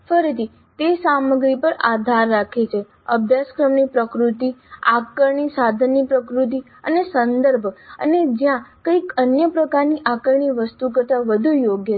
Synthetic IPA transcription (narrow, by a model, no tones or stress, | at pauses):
fəɾit̪ʰi | t̪esaməɡɾipəɾad̪ʱaɾːakʰet͡ʃʰe | əbʱjaskɾəmnipɾəkɾut̪iakəɾɳisad̪ʱənːipɾəkɾut̪̬i | ə̰nesənd̪əɾbʱə̰ned͡ʒjãkəikənjəpɾəkaɾniʔakəɾɳiʋəst̪ukəɾt̪aʋəd̪ʱujoɡjə